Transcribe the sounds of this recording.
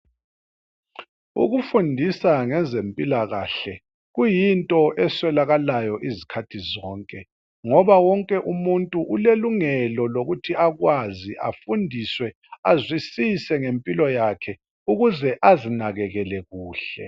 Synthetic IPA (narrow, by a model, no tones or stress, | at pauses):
ṵɣufundʱisaŋɛzempʼilaɣa̰ɬɛ | ɣujintʼɔʔɛswɛlaɣalajɔʔizikʰatʰizɔːŋkʼɛ | ŋɔβawɔŋkʼɛʔumuntʼuʔuleluŋɛlɔloɣutʰiaɣwaziʔa̰fundʱiswɛ | azwisisɛŋempʼilɔjakʰɛ | uɣuzɛʔazinaɣɛɣɛlɛɣuːɬɛ̰